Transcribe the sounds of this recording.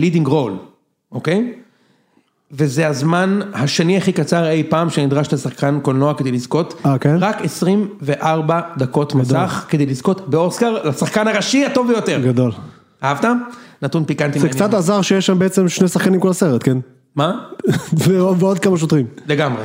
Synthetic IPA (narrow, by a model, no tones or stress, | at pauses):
lidiŋɡʁol | ʔokej | vezeazmanhaʃeniaχikat͡saʁe̞jpaːmʃenid̪ʁaʃtasaχkankolnoaked̪ejlizko̞takenʁakesʁimve̞ʔaʁbad̪ako̞tmasaχkede̞jlizko̞tbeo̞skaʁlasaχkanhaʁaʃiato̞vbejo̞teʁɡad̪o̞l | aavtanatunpikant̪imzekt͡sat̪azaʁʃejeʃʃambeet͡se̞mʃnejsaχkanimkolaseʁet̪ken | mazeoveod̪̚kamaʃ̬ot̪ʁimle̞ɡamʁe